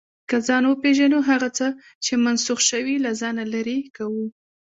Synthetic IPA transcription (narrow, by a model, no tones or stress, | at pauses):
kazɑnwəpeʒanuɦaɣat͡sə | t͡ʃemansuxʃəwilazɑnalaɾekawu